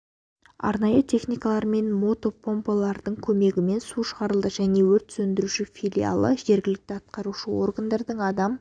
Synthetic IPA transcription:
ɑ̰ɾnɑjət̪ʲʰe̞χnijkɑlˠɑɾme̞nmo̞t̪o̞pʰo̞mpolˠɑɾd̪əɴkʲʰɵme̞ɡʲɪme̞nsuʃəʁɑɾəlˠd̪əʒæne̞wɵɾt̪sɵnd̪ɪɾuʃɪfʲijlʲija̰lˠə̰ʒe̞ɾɡʲɪlɪk̚t̪ɪɑt̪̚qɑɾuʃəo̞̰rɡand̪ɑɾd̪əɴɑd̪ɑm

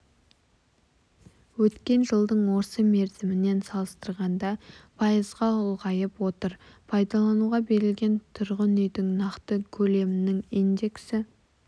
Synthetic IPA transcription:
wɵt̪kʲe̞nʒəlˠd̪əɴwo̞ɾsəme̞ɾzɪmɪne̞nsɑlˠəst̪əɾʁɑnd̪ɑpʰɑjəzʁɑʊlˠʁɑjəpwo̞t̪əɾ | pʰɑjd̪ɑlˠɑnuʁɑbe̞ɾɪlɡʲe̞nt̪ʰʊɾʁənʏjd̪ɪŋnɑqt̪əkʲʰɵle̞mɪnɪŋind̪e̞ksɪ

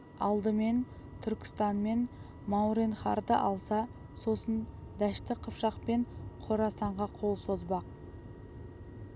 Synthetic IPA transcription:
ɑlˠd̪əme̞n | t̪ʰʏɾkʲɪ̥st̪ɑnme̞n | mɑwɾenχɑɾd̪əʔɑlˠsɑ | so̞sən | d̪æʃt̪ɪqʰəpʃɑqpe̞ɴqʰoɾɑsɑɴʁɑqʰo̞lˠso̞zbɑq̚

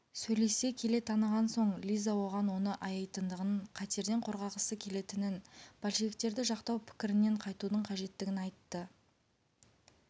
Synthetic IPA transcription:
sɵjle̞se̞kʲʰe̞le̞t̪ʰɑnəʁɑnso̞ɴlʲijzawo̞ʁɑnwo̞nəʔɑjɑjt̪ənd̪əʁənɴqʰɑt̪e̞ɾd̪e̞ɴqʰo̞ɾʁɑʁəsəkʲʰe̞le̞t̪ɪnɪnb̥ʰɑlʃiek̚t̪e̞ɾd̪ɪʒɑqt̪ɑwpʰɪ̥kʲɪɾɪnːe̞ɴqʰɑjt̪ud̪əɴqʰɑʒe̞t̪ːɪɡʲɪnɑjt̪ːə

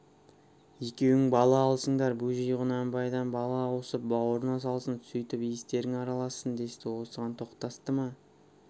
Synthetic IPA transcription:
je̞kʲe̞wɪŋbɑlˠɑːlˠsəɴd̪ɑɾbuʒijʁʊnɑmbɑjd̪ɑnbɑlˠɑwosəp̚bɑwoɾnɑs̬ɑlˠsənt̪ʰʏ̥sʏjt̪ɪpijɪst̪e̞ɾɪŋɑɾɑlˠɑsənd̪e̞st̪ɪwo̞səʁɑnt̪ʰo̞qt̪ɑst̪əmɑ

